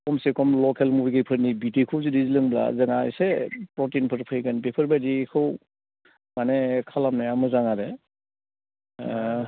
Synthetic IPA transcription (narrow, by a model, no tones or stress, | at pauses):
kɔmsekɔmlɔkelmubiɡɯjpʰɯɾnibitikʰɯwzidizilɯŋbla̰zəŋaj̰sepɾɔtinpʰɯɾpʰɯjɡanbepʰɯɾbajdikʰɯw | manekʰalamnajamɯzaŋaɾe